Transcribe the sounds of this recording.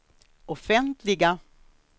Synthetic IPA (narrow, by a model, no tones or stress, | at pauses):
ɔfɛnt̪ʰlɪɡa